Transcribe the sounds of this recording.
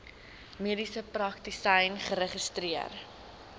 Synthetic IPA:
miədisəprɐktisɐjnχəɾeχəstriər

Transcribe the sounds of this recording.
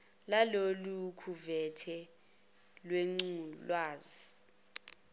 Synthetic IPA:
lalolukʰuvɛtʰɛ | lweŋ͡ǀulwaːzi

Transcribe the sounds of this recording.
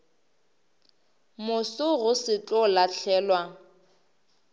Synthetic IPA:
mʊsʊɣʊsɪt͡ɬʼɔlaɬʰɛːlwa

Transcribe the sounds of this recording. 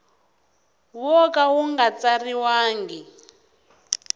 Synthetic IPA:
wɔkawuŋɡat͡sariwaːŋɡi

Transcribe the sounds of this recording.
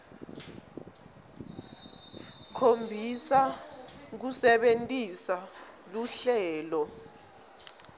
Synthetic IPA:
kʰombʱisa | k̬usɛɓentʼisa | luɬɛːlɔ

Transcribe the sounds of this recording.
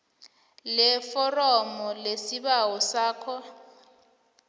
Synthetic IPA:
lɛfɔrɔmɔlesiɓawɔsaːkʰɔ

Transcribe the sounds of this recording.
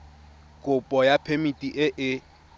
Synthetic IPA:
kʼʊpʼɔjapʰemitʼiʔɪʔɪ

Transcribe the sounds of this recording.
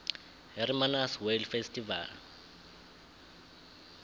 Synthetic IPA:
hɛrimanaswelfestʼiva̰l

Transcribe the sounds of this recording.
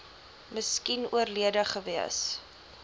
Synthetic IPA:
məskinuərliədəχəviəs

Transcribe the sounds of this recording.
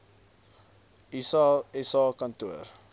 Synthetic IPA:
isɛsɑːkɐntuər

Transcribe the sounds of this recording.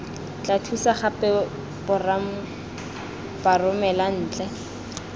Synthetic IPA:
t͡ɬatʰusaχapɛ | pʊram̩ | parʊmɛlan̩ːt͡ɬʼɛ

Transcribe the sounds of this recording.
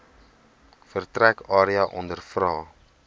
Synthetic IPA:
fərtrækɑːɾiɐʔɔndərfrɑː

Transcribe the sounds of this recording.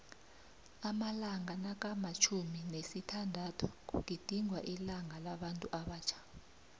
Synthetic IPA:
amalaŋanak̬ʼamat͡ʃʰuminesitʰandʱatʰu̥k̬ṵk̬ʼid̥ʱiŋʱwaʔilaŋalaɓantʼuʔaɓaːt͡ʃʰḁ

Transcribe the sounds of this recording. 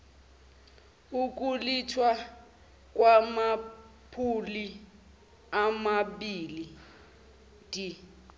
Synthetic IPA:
uk̬ʼulitʰwa | k̬wamapʰuli | amaɓiːli | d̥ʱʼi

